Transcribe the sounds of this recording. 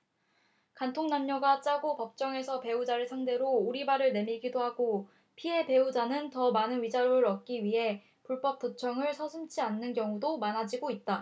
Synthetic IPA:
kantʰoŋnamɲʌɡat͡ɕ͈aɡopʌp̚t͡ɕ͈ʌŋe̞sʰʌpe̞ud͡ʑaɾɯɭsʰaŋde̞ɾouɾibaɾɯɭne̞miɭɡidoɦaɡo | pʰiɦe̞pe̞ud͡ʑanɯntʌmanɯnɥid͡ʑaɾoɾɯɾʌt̚k͈iɥiɦe̞ | puɭp͈ʌp͈̚ːot͡ɕʰʌŋɯɭsʰʌsʰɯmt͡ɕʰianːɯnkjʌŋudomanɦad͡ʑiɡoit̚t͈a

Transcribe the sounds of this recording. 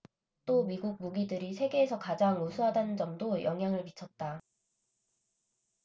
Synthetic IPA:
t͈omiɡuɡ̚muɡidɯɾisʰe̞ɡe̞ːsʰʌkad͡ʑaŋusʰuɦadanɯnd͡ʑʌmdojʌŋɦjaŋɯɭpit͡ɕʰʌt̚t͈a

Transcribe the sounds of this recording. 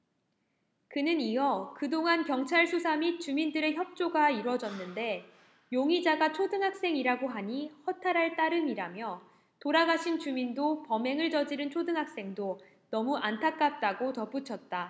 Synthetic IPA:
kɯnɯniʌkɯdoŋankjʌŋt͡ɕʰaɭsʰusʰamit͡ɕumindɯɾe̞çjʌp̚t͡ɕ͈oɡaiɾwʌd͡ʑʌnːɯnde̞ | joŋid͡ʑaɡat͡ɕʰodɯŋɦak̚s͈e̞ŋiɾaɡoɦaɲihʌtʰaɾɦaɭt͈aɾɯmiɾamjʌ | toɾaɡaɕʰint͡ɕumindopʌme̞ŋɯɭt͡ɕʌd͡ʑiɾɯnt͡ɕʰodɯŋɦak̚s͈e̞ŋdo | nʌmuʔantʰak͈̚ap̚t͈aɡotʌp͈ut͡ɕʰʌt̚t͈a

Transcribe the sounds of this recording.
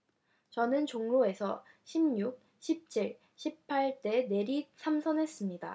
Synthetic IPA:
t͡ɕʌnɯnt͡ɕoŋɾoe̞sʰʌ | ɕʰimɲuk̚ | ɕʰip̚t͡ɕ͈ʰiɭ | ɕʰipʰaɭt͈e̞ne̞ɾisʰamsʰʌnɦe̞s͈ɯmɲida̰

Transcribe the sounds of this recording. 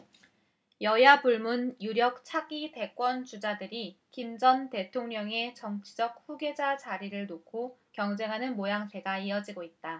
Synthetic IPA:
jʌjapuɭmunjuɾjʌk̚t͡ɕʰaɡite̞k͈wʌnt͡ɕud͡ʑadɯɾikimd͡ʑʌnte̞tʰoŋɲʌŋe̞t͡ɕʌŋt͡ɕʰi̥d͡ʑʌk̚ɸuɡe̞d͡ʑat͡ɕaɾiɾɯɭnokʰokjʌŋd͡ʑe̞ŋɦanɯnmojaŋsʰe̞ɡaiʌd͡ʑiɡoit̚t͈a

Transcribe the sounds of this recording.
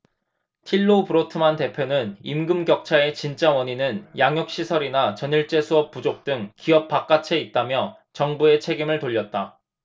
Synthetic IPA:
tʰiɭːopɯɾotʰɯmante̞pʰjonɯnimɡɯmɡjʌk̚t͡ɕʰae̞t͡ɕint͡ɕ͈awʌɲinɯnjaŋjok̚ɕ͈isʰʌɾinat͡ɕʌniɭt͡ɕ͈e̞sʰuʌp̚p͈ːud͡ʑok̚t͈ɯŋkiʌp̚p͈ak͈at͡ɕʰe̞it̚t͈amjʌ | t͡ɕʌŋbue̞t͡ɕʰe̞ɡimɯɭtoʎːʌt̚t͈a

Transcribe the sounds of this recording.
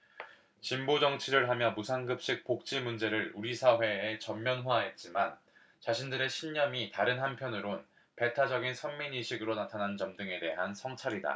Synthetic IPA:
t͡ɕimbod͡ʑʌŋt͡ɕʰiɾɯɭɦamjʌmusʰanɡɯp̚ɕ͈ik̚pok̚t͡ɕ͈imund͡ʑe̞ɾɯɭuɾisʰaɦwe̞ːt͡ɕʌmːjʌnɦwaɦe̞t̚t͡ɕ͈iman | t͡ɕaɕʰindɯɾe̞ɕʰinɲʌmitaɾɯnɦanpʰjʌnɯɾon | pe̞tʰad͡ʑʌɡinsʰʌmminiɕʰiɡɯɾonatʰanant͡ɕʌmdɯŋe̞te̞ɦansʰʌŋt͡ɕʰaɾida̰

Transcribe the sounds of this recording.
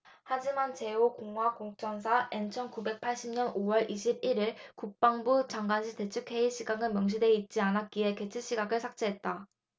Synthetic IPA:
had͡ʑimant͡ɕe̞okoŋɦwakoŋ̚t͡ɕ͈ʌns̬ʰaʔent͡ɕʰʌnkube̞k̚pʰaɭɕ͈imɲʌnowʌɭʔiɕʰib̚iɾiɭkuk̚p͈aŋbut͡ɕaŋɡwanɕʰite̞t͡ɕʰɯkʰe̞iɕ͈ʰiɡaŋɯnmjʌŋɕ̬ʰide̞it̚t͡ɕ͈ianat̚k͈ie̞ke̞t͡ɕʰɯɕ͈iɡaɡɯɭsʰak̚t͡ɕ͈eɦe̞t̚t͈a

